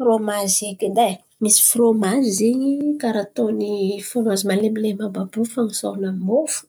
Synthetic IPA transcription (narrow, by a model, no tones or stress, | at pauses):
romazekind̪aj | misi̥fromazziɲikaɾat̪onifromazimalemilemababufaŋiso̰namofu̥